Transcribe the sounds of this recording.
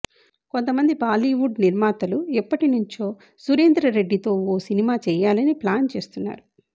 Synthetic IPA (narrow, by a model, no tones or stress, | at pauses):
kont̪ɐmɐnd̪ibaːliːʋuɖniɾmaːt̪ɐluɛpːɐʈinuɲt͡ʃo̞ː | suɾeːnd̪ɾɐɾe̞ɖːit̪o̞ːoːsinimaːt͡ʃɛːjaːlɐniplaːnt͡ʃe̞ːst̪unːa̰ːɾu